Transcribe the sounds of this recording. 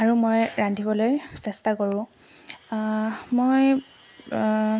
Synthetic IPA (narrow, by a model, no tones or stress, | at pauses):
aɹumojɹandʱibɔlojsɛstakoɹʊ̃ | moj